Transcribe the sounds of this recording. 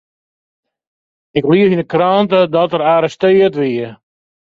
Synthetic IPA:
ɪkliəfinəkrɔntədɔtəɾaːɾəstɪːətʋiə

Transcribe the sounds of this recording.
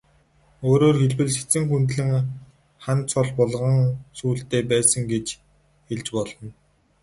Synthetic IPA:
oːɾoːrxeɮpɘ̆ɮse̥t͡sɘ̆ŋxunt̪ɮɘ̆ŋ | χant͡sʰɔɮpɔɮʁə̆ŋsuːɬt̪eːpæːsə̆ŋɡet͡ɕ | xeɮt͡ɕpɔɮɞ̆n

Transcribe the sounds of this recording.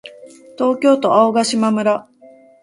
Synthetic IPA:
t̪o̞ːkʲo̞ːt̪o̞aoɡaɕimamɯ̟ɾa

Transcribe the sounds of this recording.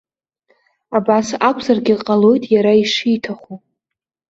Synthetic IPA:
abasakʷʰzarɡʲiqʼalo̞jtʼjaɾaiʂijtʰaχʷu

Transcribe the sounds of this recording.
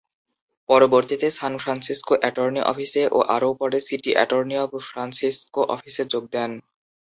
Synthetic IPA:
pɔɾoboɾt̪it̪esanfʰɾansiskoʔɛʈoɾniʔɔ̰fʰiseʔo̰ʔaɾowpɔɾesiʈiʔɛ̰ʈoɾniɔbfʰɾansiskoʔɔ̰fʰiseɾd͡ʑoɡ̚d̪ɛn

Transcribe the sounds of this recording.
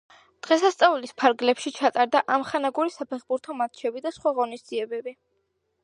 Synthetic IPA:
d̪̥ʁɛsast̪sʼaulispʰaɾɡlɛpʃit͡ʃʰat̪ʼaɾd̪aʔamχanaɡuɾisapʰɛχbuɾt̪ʰɔmat̪̚t͡ʃʰɛbid̪asχwaʁɔnisd̪z̥iɛbɛbi

